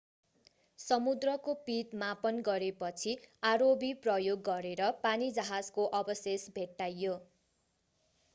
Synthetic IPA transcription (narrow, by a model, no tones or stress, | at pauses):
sʌmud̪rʌkopit̪mapʌnɡʌɾepʌt͡sʰiaɾobiprʌjoɡːʌɾeɾʌpanid͡zʌɦad͡zkoʔʌbʌsesbʱeʈːajːo